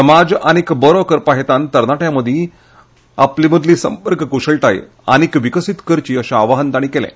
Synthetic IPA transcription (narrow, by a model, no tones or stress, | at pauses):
səmad͡zañikbɔɾokəɾpaɦet̪ant̪əɾnaʈjaməd̪ʱi | apliməd̪ʱliːsəmpəɾkəkuʂəɭʈaj | a̰ñikʋikəsit̪kəɾt͡ɕiːəɕaaʋaɦənd̪aɽ̃ikelɛ̰̃